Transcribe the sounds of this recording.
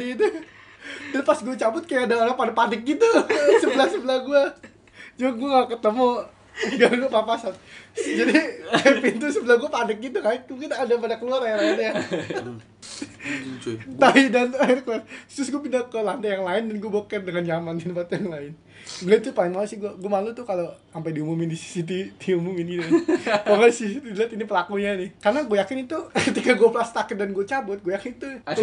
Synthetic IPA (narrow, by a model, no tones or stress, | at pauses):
idu | danpasɡuat͡ʃabʊt̪̚kajaʔːdaoɾaŋpadpanɪk̚ɡit̪usəbəlahsəbəlahɡua | d͡ʒʊŋɡuaŋaukət̪əmo | ɡaɡuapapasat̪̚d͡ʒadipint̪usəbəlahɡuapadɪk̚ɡit̪̬ukajaukit̪aːdapadakəluaɾajaɾaanja | t̪aidanaɾkəluart̪ɾʊsɡuapinakəlant̪ajaŋlaɪndanɡuabokɛndəŋand͡ʒamandinpat̪jaŋlaɪn | ɡuait̪upalɪŋmalusɪhɡuaɡuamalut̪ʊkalo | ampajdiumumɪndisi̥sit̪̬idiumumɪnɡinnpaŋaisisit̪idilat̪inipəlakuɲanɪhkarnaɡojakɪnit̪ukət̪ikaɡuaplast̪akɪt̪̚danɡuat͡ʃabʊt̪̚ɡojakɪnit̪u